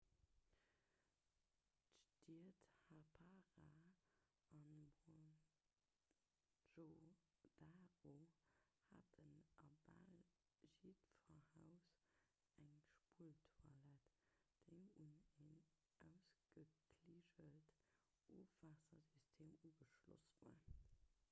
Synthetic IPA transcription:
tʃtithapʰaʁa | ʔɑnmo | ʒod̥aʁo | hatənʔɐba̰l | ʒitfɐhaʊs | æŋʃpuəltʰwalɛtd̥eɪmunen | ʔæʊsɡ̥əkʰliːʒəlt | ʔoːfvaːsɐzystʰeːmuːɡəʃlo̰svṵə

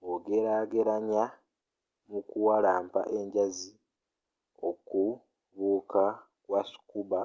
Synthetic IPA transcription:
oɡe̞ɾaːɡe̞ɾaɲa | mukuwalaːmpa̰ʔe̞ɲɟazi | oku | βuːkʰa | kwasu̥kuba

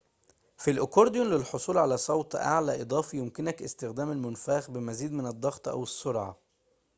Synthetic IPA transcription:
filʔokoɾd̪jonlɪlħosˤuːlʕalæsˤɑwt̪ˤʔa̰ʕlæːʔed̪ˤɑːfijomkɪnækʔɪst̪ɪxd̪æːmælmʊnfæːxbɪmæziːd̪mɪnɑd̪ˤːɑɣt̪ˤʔæ̰wesːoɾʕɑ̰

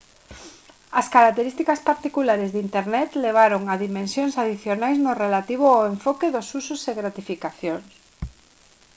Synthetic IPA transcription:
ɐskaɾak̚t̪eɾist̪ikaspaɾt̪ikulaɾezðint̪eɾnɛt̪leβ̞aɾoŋaðimẽnsjoŋsaðiθjonajznʊrelat̪iβ̞ʊaweɱfɔkeðʊsusʊseɣɾat̪ifikaθjoŋs

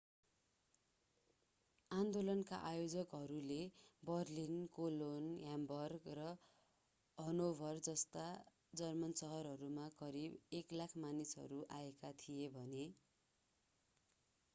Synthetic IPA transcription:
and̪olʌnka̰ʔajod͡zʌkɦʌɾulebʌrlinkolonjambʌrɡrʌ | ɦʌnobʱʌrd͡zʌst̪a | d͡zʌrmʌnsʌɦʌɾɦʌɾumakʌɾibeklakʰmanisɦʌ̰ɾuʔaekat̪ʰijebʱʌne

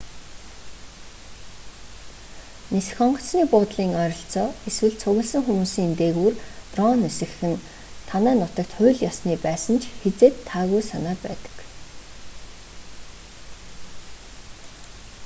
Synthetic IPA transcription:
nesxɔɴɢɞ̆t͡sniːpʊːt̪ɮiːŋœɾʲɞ̆ɬt͡sɔːeswɘ̆ɮt͡sʰʊɣə̆ɮsə̆ŋxumuːsiːŋent̪eːɣuːrp̪rɔnɵsɘ̆xxɘ̆n | t̪ʰanæːnʊt̪ə̆kt̪χʊːɮjɔsniːpæːsə̆nt͡ɕʰxet͡seːt̪ʰːaːɣujsanaːpæ̰ːt̪ə̥̆k

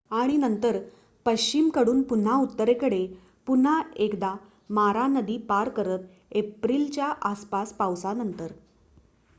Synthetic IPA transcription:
aɽ̃inənt̪əɾ | pəɕt͡ɕimkəɽuːnpun̤aut̪ːəɾekəɽe | pun̤aekd̪a | maɾanəd̪iːpaɾkəɾət̪ | epɾiːlt͡ɕjaʔaspaspawsanənt̪əɾ

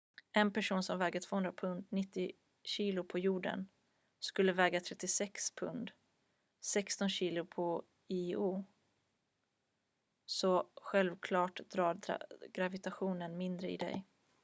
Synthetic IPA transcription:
ɛnpʰæʂuːnsɔmvɛːɡat̪ʰvoːhɵnd̪ɾapʰɵnd̪nɪt̪ːɪ | ɕiːlʊpʰɔjuːɖə̰n | skɵlːəvɛːɡat̪ʰɾɛt̪ːɪsɛkspʰɵnd̪ | sɛkst̪ɔnɕiːlʊpʰɔ | ɪuː | sɔɧɛlvkʰlɑːʈd̪ɾɑːɾ̰ɡ̥ɾavɪt̪aɧuːnənmɪnd̪ɾəɪ̰d̪ɛ̰j

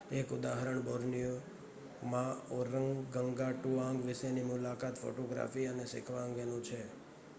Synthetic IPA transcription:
ekʊd̪aɦɾəɳboɾnijo | mãɔɾəŋɡɡəŋɡaʈuãŋɡʋɪʃenimʊlakat̪fo̰ʈoɡɾa̰fiənesɪ̰kʰʋaə̃ŋɡenũt͡ʃʰe

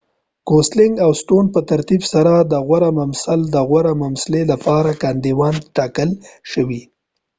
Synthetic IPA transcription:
koslɪŋɡawsʈonpət̪aɾt̪ibsaɾad̪əɣwaɾamamsald̪əɣwaɾamamslelapɑɾakand̪iwɑnʈɑkəlʃəwi

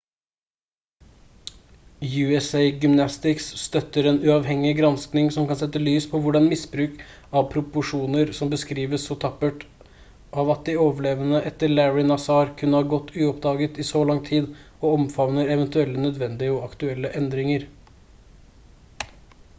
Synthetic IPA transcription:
jʉːɛseɪɡʏmnɑst̪ɪksːt̪œt̪ːəɾeːnʉɑʋɦɛŋːɪɡɾɑnsknɪŋsɔmkɑnsɛt̪ːəlyːspʰɔʋʊɖɑnmɪsbɾʉːk | ɑʋpʰɾʊpʊʂuːnəɾsɔmbəskɾiːʋəsɔt̪ʰɑpəʈ | ʔɑːʋɑt̪̚d̪ɪoːʋəɭeːʋənəʔɛt̪ːəɭæɹɪnɑsɑːɾkʰʉnəhɑːɾɡɔt̪ːʉːɔp̚d̪ɑːɡət̪ɪsɔlɑŋt̪ʰiːd̪ | ɔɔmfɑʋnəɾɛʋənt̪ʉɛlːənœd̪ʋɛnd̪ɪəɔɑkt̪ʉɛlːəʔɛnd̪ɾɪŋəɾ

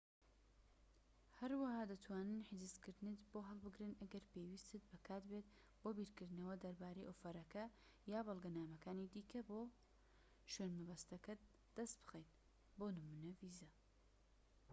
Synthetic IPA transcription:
hɐɾwɐhaːd̪ɐt̪ʰwaːnɨnħɪzɨzkɨɾd̪ɨnet̪boːɦɐlˠbɨɡɾɨnʔɐɡɐɾpewist̪ɨt̪̚bɐkʰaːt̪beːt̪ | boːbiɾkɨɾd̪ɨnɐwɐd̪ɐɾbaːɾɐjʔofɐɾɐkɐ | jaːbɐlˠɡɐnaːmɐkaːnid̪iːkʰɐboː | ʃwenmɐbɐst̪ɐkɐ | d̪̥ɐst̪b̥ɨ̥xejt̪ | boːnɨmunɐviːzɐ

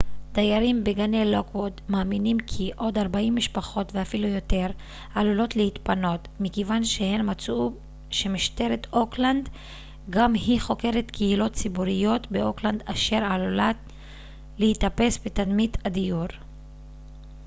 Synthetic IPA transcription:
d̥̪ajaɾimbeɡanejlokwod̪maːminimkʰiʔo̞d̪aʁbaimːiʃpaχo̞t̪veafilujo̞t̪e̞ʁ | alulo̞t̪lehit̪pano̞t | mikevanʃehe̞nmat͡su | ʃe̞miʃte̞ʁet̪ʔo̞kland̪ | ɡamhiχo̞ke̞ʁet̪kʰehilo̞t̪t͡sibuʁijo̞t̪beo̞kland̪aʃe̞ʁalulat | lehit̪ape̞sbet̪ad̪mit̪ad̪ijuʁ

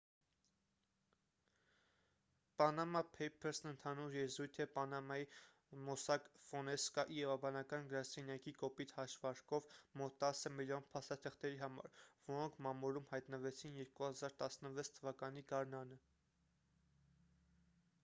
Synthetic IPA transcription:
pɑnɑmɑpʰɛjpʰɛɾsnənt̪ʰɑnuɾjɛzujt̪ʰɛpɑnɑmɑji | mɔsɑkfɔnɛskɑʔiɾɑvɑbɑnɑkɑnɡəɾɑsɛnjɑkikɔpit̪hɑʃvɑɾkɔvmɔt̪ːɑsəmiljɔnpʰɑst̪ɑt̪ʰəχt̪ɛɾiɦɑmɑ̰ɾvɔɾɔŋkʰmɑmuɾumhɑjt̪nəvɛt͡sʰinjɛɾkuhɑzɑɾt̪ɑsnəvɛt͡sʰt̪ʰːəvɑkɑniɡɑɾnɑnə

